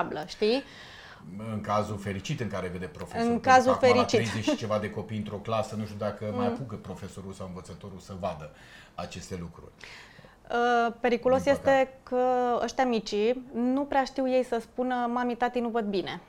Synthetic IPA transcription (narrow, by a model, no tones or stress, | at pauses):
bləʃt̪i | ɨŋkazufe̞ɾit͡ʃit̪ɨŋkaɾeved̪epɾo̞feɨŋkazufeɾit͡ʃiɾieʃit͡ʃe̞vad̪e̞ko̞pijɨnt̪ɾo̞klasənuʃt̪ʲud̪akəmajapuɡəpɾo̞fe̞so̞ɾulsawɨnvət̪sət̪o̞ɾulsəvad̪ə | at͡ʃe̞st̪e̞lukɾṵrʲ | əpe̞ɾikulo̞sjest̪e̞kəə̰ʃt̪ʲamit͡ʃinupɾeaʃt̪iwje̞jsəspunəmamit̪at̪inuvəd̪̚bine̞